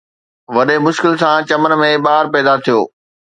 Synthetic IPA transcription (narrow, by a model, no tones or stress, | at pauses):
ʋɐɗemʊʃkɪlsãt͡ɕɐmən̆mẽɓaːɦɾpɛːd̪at̪ʰijo̰ː